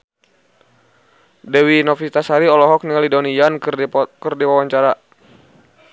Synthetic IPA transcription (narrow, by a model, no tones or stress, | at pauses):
dɛwinɔfit̪asaɾiɔlɔɦɔk̚niŋalidaunijankɨrdiwawaɲt͡ʃaɾa